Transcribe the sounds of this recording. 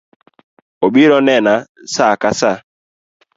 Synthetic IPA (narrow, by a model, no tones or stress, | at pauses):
oɓiɾɔnɛnasakasa